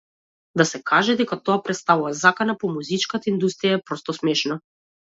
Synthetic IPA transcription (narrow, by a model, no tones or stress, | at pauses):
d̪asɛkaʒɛd̪ɛkat̪ɔapɾɛt̪st̪avuvazakanapɔmuzit͡ʃkat̪aind̪ust̪ɾijaɛpɾɔst̪ɔsmɛʃna